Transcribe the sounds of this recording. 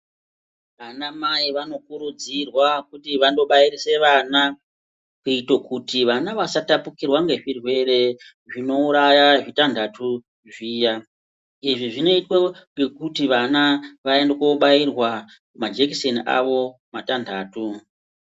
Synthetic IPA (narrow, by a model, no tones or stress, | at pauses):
ʋanamaiʋanokuɾud͡zirwakutiʋando̞ɓairise̞ʋana | kuitokutiʋanaʋasatapukirwaŋɡe̞ʐirwe̞re̞ | ʐino̞uɾajaʐitandʱatʰu | ʐiːja | iʐiʐino̞itwoŋɡekutiʋanaʋaendekoɓairwa | mad͡ʒekise̞nʔa̰ʋo̞ | matandaːtu